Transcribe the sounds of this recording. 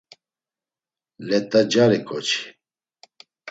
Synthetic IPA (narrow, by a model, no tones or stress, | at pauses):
lɛt̪ʼad͡ʒaɾɛkʼɔt͡ʃʰi̥